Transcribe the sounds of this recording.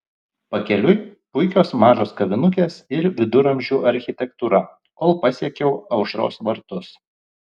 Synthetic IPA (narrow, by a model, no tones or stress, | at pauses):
pɐkʲɛlʲʊjpʊɪkʲoːsmɑːʒoːskɐʋʲɪnʊkʲeːsɪɾʋʲɪd̪ʊɾɐmʲʒʲuːɐɾʲxʲɪt̪ʲɛkt̪uːɾɐ | koːlˠpɐsʲiɛkʲɛʊɐʊʃɾo̰ːsʋɐɾt̪ʊs